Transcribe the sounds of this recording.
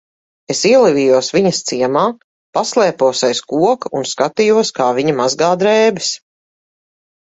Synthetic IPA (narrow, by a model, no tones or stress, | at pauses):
esiɛlˠivʲijuɔsviɲɐst̪siɛmaː | paslˠɛːpuɔsajskuɔkunskat̪ijuɔskaːviɲɐmazɡaːd̪ɾɛːbɛs